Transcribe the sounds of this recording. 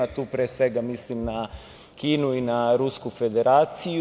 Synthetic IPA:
at̪uːpɾeːsʋe̞ɡamislimna | kiːnuinaɾuskufe̞d̪e̞ɾaːt̪sij

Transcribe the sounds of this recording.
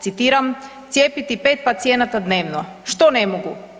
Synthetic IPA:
sit̪iɾam | t̪sjɛpit̪ipɛt̪̚pat̪siɛnat̪ad̪nɛvnoʃt̪ɔnɛmoɡu

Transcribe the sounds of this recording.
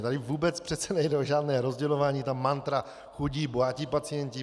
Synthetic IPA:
t̪adɪvuːbɛt͡spr̥ɛt̪t͡sɛnɛjdɛoʒaːdnɛːɾo̞zɟɛlovaːɲiːt̪amːant̪ɾa | xuɟiːbojacɪpat͡sɪjɛɲcɪ

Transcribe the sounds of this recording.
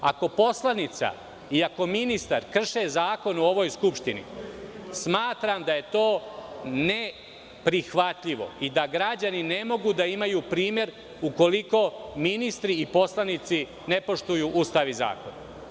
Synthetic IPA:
a̰ko̞po̞slˠanit̪sa̰ | iako̞minist̪aɾkr̩ʃezaːko̞noo̞ʋo̞ːjskupʃt̪inḭsmaːt̪ɾamd̪aje̞t̪oːne | pɾixʋat̪ʎiʋo̞̰id̪aɡɾad͡ʑanine̞mo̞ɡud̪aimajuːpɾiːmje̞ɾ | uko̞liko̞minist̪ɾiipo̞slanit̪si | ne̞po̞ʃt̪ujuːʔust̪aʋiza̰ːkona

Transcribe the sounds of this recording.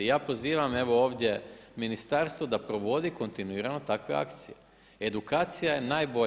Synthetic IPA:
jaːpo̞ziːʋame̞ʋo̞oːʋd̪ʲje̞minist̪aːɾst̪ʋod̪apɾo̞ʋo̞d̪iko̞nt̪inuiːɾano̞t̪akʋe̞̰a̰kt̪sije | ed̪ukaːt̪sijaje̞naːjbo

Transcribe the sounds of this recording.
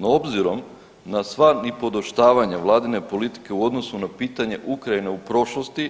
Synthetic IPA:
no̞bziɾo̞m | nasʋanipo̞d̪oʃt̪aːʋaɲaʋlˠaːd̪ine̞po̞lit̪i̥ke̞uo̞d̪no̞sunapiːt̪aɲe̞ʔukɾaine̞upɾo̞ʃlost̪i

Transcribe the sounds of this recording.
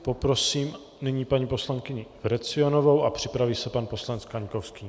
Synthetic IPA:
po̞pɾo̞siːm | nɪɲiːpaɲiːpo̞slaŋkɪɲɪvɾɛt͡sɪonovo̞wapr̥ɪpɾaviːsɛpanpo̞slanɛt͡skaɲkofskɪɲ

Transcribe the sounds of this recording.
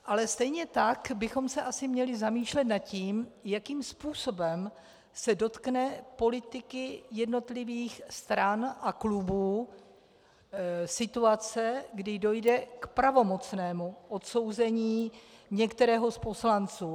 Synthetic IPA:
ʔalɛst̪ɛjɲɛt̪akbɪxo̞msɛʔasɪmɲɛlɪzamiːʃlɛt̪nat̪ciːmjakiːmspuːso̞bɛm | sɛdo̞t̪knɛpo̞lɪt̪ɪkɪjɛdno̞t̪lɪviːxst̪ɾanʔaklubuː | sɪt̪uat͡sɛɡdɪdo̞jdɛkpɾavo̞mo̞t͡snɛːmuʔot̪so̞wzɛɲiːɲɛkt̪ɛɾɛːɦo̞spo̞slant͡suː

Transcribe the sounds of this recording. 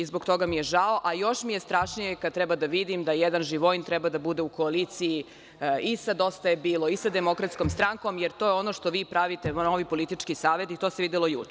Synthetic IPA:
izboɡt̪o̞ɡamijeʒaoʔajo̞ʃmijest̪ɾaːʃnijekad̪̚t̪ɾɛbad̪aʋid̪imd̪ajɛd̪anʒiʋojint̪ɾɛbad̪abud̪eukoaliːt̪siji | isad̪o̞st̪aebiːlˠo̞isad̪emo̞kɾat̪sko̞mst̪ɾaŋko̞mjeɾt̪o̞ːjeo̞no̞ʃt̪o̞ʋiːpɾaʋit̪ennoʋipo̞lit̪it͡ʂkisaːʋe̞t̪it̪oːseʋid̪ɛlo̞jṵt͡ʃe

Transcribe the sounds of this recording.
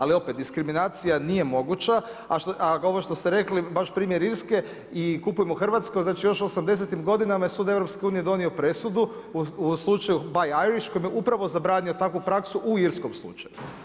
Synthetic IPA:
alio̞pet̪̚d̪iskɾiminaːt̪sijanije̞mo̞ɡut͡ʃa | aʃaoʋoʃt̪ost̪eɾe̞klibaʃpɾiːmjeɾiɾske̞ | ikupujemoxrʋat̪skojznaːt͡ʃijo̞ʃosamd̪e̞s̬et̪imɡo̞d̪inamajesuːd̪evɾo̞pske̞uːnije̞d̪o̞nio̞pɾe̞sud̪u | uslˠut͡ʃajubajajɾiʃko̞jmjeʔupɾaʋo̞zabɾaːnio̞t̪akʋupɾaksuʔuiɾsko̞mslˠṵt͡ʃa̰ju

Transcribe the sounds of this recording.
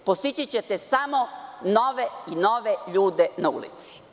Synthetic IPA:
post̪it͡ɕit͡ɕet̪esamonoʋeinoʋeʎuːd̪enaṵlḭt̪si̥

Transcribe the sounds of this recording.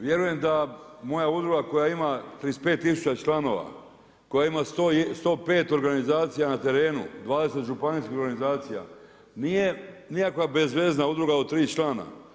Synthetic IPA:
ʋje̞ɾuje̞md̪amo̞jaud̪ɾuɡako̞jaimat̪ɾiːspe̞ːt̪ːisu̥t͡ɕat͡ʃlano̞ʋa̰ | ko̞jaimast̪ost̪o̞ːpe̞ːt̪o̞ɾɡanizaːt̪sijanat̪e̞ɾe̞ːnṵd̪ʋaːd̪e̞set̪ʒupaniːskʲiho̞ɾɡanizaːt̪sija̰ | nijenikakabe̞zʋe̞znaud̪ɾuɡaot̪ːɾiːt͡ʃlˠaːna̰

